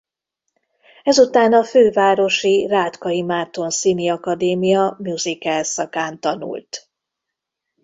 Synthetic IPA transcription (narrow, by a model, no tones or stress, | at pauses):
ɛzut̪aːnɒføːvaːɾo̞ʃiraːt̪kɒimaːt̪o̞nsiːniɒkɒd̪eːmijɒmjuzikɛlsɒkaːnt̪ɒnṵlt̪